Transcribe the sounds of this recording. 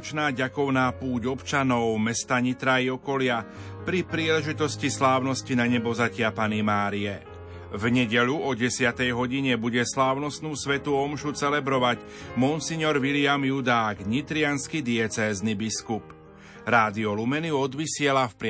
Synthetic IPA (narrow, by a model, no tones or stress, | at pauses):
t͡ʃnaːɟakɔʊnaːpuːɟɔpt͡ʃanɔʊmɛst̪aɲit̪ɾaiɔkɔlɪa | pɾipɾiːlɛʒit̪ɔscislaːʊnɔscinaɲɛbɔzacɪapanimaːɾiɛ | vɲɛɟɛʎuɔɟɛsɪat̪ɛjɦɔɟiɲɛbuɟɛslaːʊnɔst̪nuːsʋɛt̪uɔmʃut͡sɛlɛbɾɔʋac | mɔnsiɲɔɾʋilɪamjud̪aːɡɲit̪ɾɪanskid̪iɛt͡sɛːznibiskup | ɾaːd̪iɔlumɛniɔd̪ʋisɪɛlafpɾɪ